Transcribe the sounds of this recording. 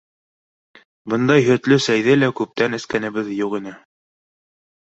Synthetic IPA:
bɤ̆nd̪ɑjɦɵ̆t̪lɵsæjðɘlækʉp̚t̪ænɘ̆skænɘ̆βɘðjuqinɘ

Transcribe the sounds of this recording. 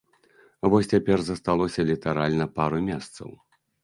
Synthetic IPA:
vɔsʲt͡sʲapʲɛrzɐst̪alˠɔsʲɐlʲit̪aɾalʲnɐpaɾumʲɛst̪sɐ̰w

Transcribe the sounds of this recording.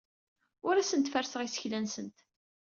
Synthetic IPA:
ʊɾæsənt̪fæɾsəʁisə̥çlænsənt̪

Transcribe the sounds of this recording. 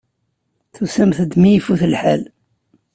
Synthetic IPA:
θusæmθəd̪mijifuθəlħa̰l

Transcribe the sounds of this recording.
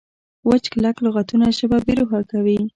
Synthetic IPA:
wət͡ʃklakloɣat̪unaʃəbabeɾoxakawi

